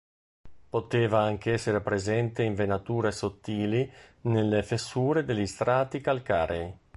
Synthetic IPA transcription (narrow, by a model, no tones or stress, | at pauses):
pot̪eːvaaŋk̟eɛsːeɾepɾezɛnt̪eiɱvenat̪uːɾesot̪ːiːlinelːefesːuːɾed̪elːist̪ɾaːt̪ikalkaːɾej